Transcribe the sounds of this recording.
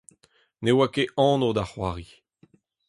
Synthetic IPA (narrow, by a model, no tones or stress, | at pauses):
newakeʔɑ̃ːnod̪aχwaːʁi